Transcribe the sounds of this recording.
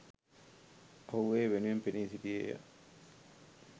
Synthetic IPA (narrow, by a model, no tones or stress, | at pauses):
ɐwʋeːʋenuempeniːsidiḛːja̰